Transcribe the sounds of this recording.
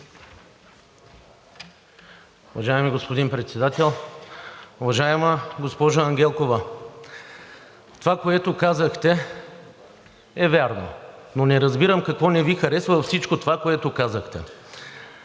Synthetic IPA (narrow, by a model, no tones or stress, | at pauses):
ʊvɐʒaɛmiɡospod̪inpɾɛt̪sɛd̪at̪ɛlˠ | ʊvɐʒaɛməɡospɔʒəːŋɡʲɛlˠkovə | t̪ovakoɛt̪okazəxt̪ɛ | ɛvʲjaɾno̰nonɛɾɐzbiɾəmkɐkvɔnɛvixɐɾɛsvəfsit͡ʃkot̪ovakoɛt̪okazəxt̪ɛ̰